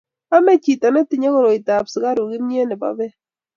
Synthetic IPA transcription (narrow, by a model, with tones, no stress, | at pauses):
a˦me˦t͡ʃi˨ta˨nɛ˦tɪ˨ɲe˦kɔ˦ɾɔ˨ɪ˨ta˨pska˦ɾu˨ɡɪ˦nɲ˦e˦nɛ˨ba̰˨bɛ˦